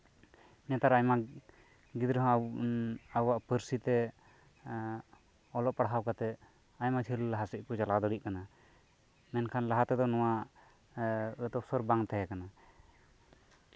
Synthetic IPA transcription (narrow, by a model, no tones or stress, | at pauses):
nɛt̪aɾajma | ɡid̪ɾɦɔ̃ | awaʔpəɾsit̪ɛ | ɔlɔʔpaɽɦawkat̪ɛ | ajmat͡ʃʰiɾlaɦasiʔ̚kɔd͡ʒalad̪ɔɽiʔ̚kana | mɛnkʰanlaɦat̪ɛd̪ɔnɔwaʔ | ət̪ɔp̚sɔɾbaŋt̪aɦɛkana